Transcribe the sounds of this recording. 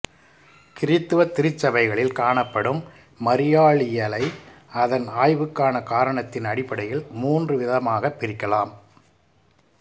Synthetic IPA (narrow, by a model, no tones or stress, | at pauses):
kɪɾɪt̪ːɯʋɐt̪ːɪɾɪt͡ʃːɐbɐɪɣɐɭɪlkaːɳɐpːɐɽɯmː | ɐɾɪjaːɭɪjɐlɐɪɐðɐnaːjʋɯkːaːnɐkaːɾɐɳɐt̪ːɪnɐɽɪpːɐɽɐjɪɭmuːndrɯʋɪðɐmaːɣɐpːɪɾɪkːɐlaːm